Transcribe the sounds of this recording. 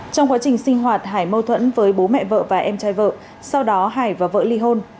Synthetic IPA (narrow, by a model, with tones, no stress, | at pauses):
t͡ɕɔ˧wŋ͡mkwaː˨˦t͡ɕï˨˩ŋ̟sï˧ŋ̟ɦwaː˨˩t̚ɦaː˧˩jmə˧wt̪ʰwə̰˧˥nvəː˨˦jɓo˨˦mɛ̰˧˨və̰ː˧˨vaː˨˩ʔɛ˧mt͡ɕaː˨˦jvə̰ː˧˨ | sa˧wɗɔ˨˦ɦaː˧˩jvaː˨˩və̰ː˧˨li˧ɦo˧n